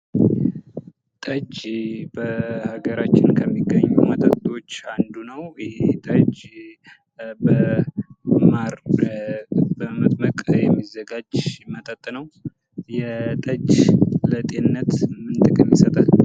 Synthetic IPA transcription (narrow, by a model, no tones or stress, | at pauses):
t̪ʼəd͡ʒbəhaɡəɾat͡ʃːɪnkʰəmːiɡːəɲːṵmət̪ʼət̪ʼo̞t͡ʃːand̪unəwjɪhet̪ʼəd͡ʒ | bə | maɾ | bəmət̪ʼməkʼjɛmːizəɡad͡ʒmət̪ʼət̪ʼːnəw | jɛt̪ʼəd͡ʒlət̪ʼe̞nɨnːət̪mɨnt̪ʼɨkʼɨmjɪsət̪ʼal